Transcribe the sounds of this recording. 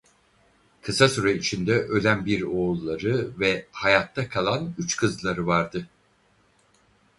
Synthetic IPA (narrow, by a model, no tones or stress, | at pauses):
kʰɯsasyɾɛit͡ʃʰind̪ɛʔø̞lʲænbiɾo̞ːlˠːaɾɯvɛhajat̪ʰːakʰalˠanyt͡ʃkʰɯzlˠaɾɯvaɾd̪ɯ